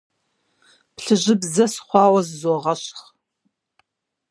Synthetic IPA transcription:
pɬɨʑɪbzɐsχʷɑːwɐzzoːʁɐɕχ

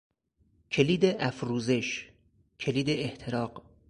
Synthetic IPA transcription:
cʰe̞liːd̪eʔæfɾuːze̞ʃ | kʰe̞liːd̪eːht̪ʰeɾɒːq

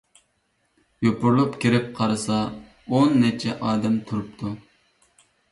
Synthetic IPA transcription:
jopʊɾlˠupkʲʰiɾɪp̚qʰɑɾɨsɑ | onːɛt͡ʃʰɛʔɑːd̪ɛmt̪ʰuɾup̚t̪ʰu

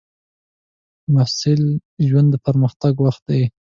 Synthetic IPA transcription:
masɪlʒwand̪ːəpaɾməxt̪aɡwaxt̪̚d̪aj

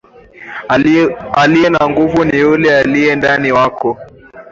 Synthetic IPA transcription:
alijɛnaŋɡuvunijulɛalijɛndaniwakɔ

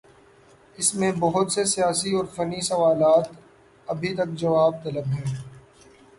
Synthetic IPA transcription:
ɪsmẽbɐɦʊt̪sesijaːsiɔːɾfɐnisɐʋaːlaːt̪ | ɐbʱit̪ɐk̚d͡ʒɐʋaːb̚t̪ɐləbɦɛ̃ː

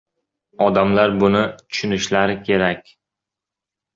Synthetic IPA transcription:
ɒd̪amlaɾbʊnɪt̪ʰʊ̥ʃʊnɪʃlaɾɪkʲʰe̞ɾakʲ

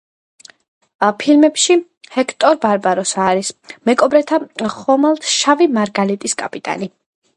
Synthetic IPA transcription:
pʰilmɛpʃi | hɛkʰt̪ʼɔɾbaɾbaɾɔsaɾismɛkʼɔbɾɛt̪ʰaχɔmalˠt̪ʰʃavimaɾɡalit̪ʼiskʼapʼit̪ʼa̰ni

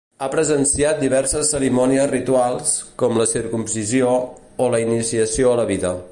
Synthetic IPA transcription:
apɾəzənsiat̪̚d̪iβɛɾsəsːəɾimɔniəzrit̪ualˠskɔmləsiɾkumsizioː | ləinisiəsioələβiðə

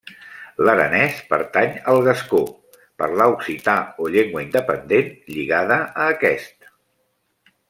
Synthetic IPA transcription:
ləɾə̰nɛspə̰ɾt̪aɲəlˠɣəsko | pə̰ɾlauksit̪aoʎeŋɡwəind̪əpənd̪enʎiɣaðəəːkɛst̪

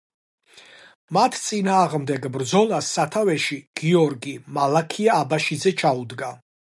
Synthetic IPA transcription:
mat̪ʰt̪sʼinaːʁmd̪ɛɡbɾd̪zɔlˠasːat̪ʰavɛʃiɡ̥iɔɾɡimalˠakʰiaːbaʃidzɛt͡ʃʰaud̪ɡa

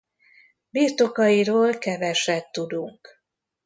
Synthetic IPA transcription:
biːrt̪o̞kɒjiɾoːlkɛvɛʃɛt̪ːud̪uŋk

